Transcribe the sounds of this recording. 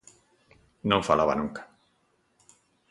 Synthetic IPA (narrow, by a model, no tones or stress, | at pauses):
nõɱfalaβa̰nuŋkḁ